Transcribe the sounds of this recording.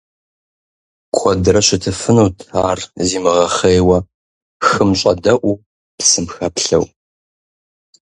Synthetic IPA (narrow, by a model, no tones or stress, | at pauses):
kʷʰɔdɨɾɐɕɪtʰɨfɨnɐwtʰaːrziːmɨʁɐχejwɐ | xɨmɕʼɐdɐʔʷu | psɨmxɐpɬɐ̰w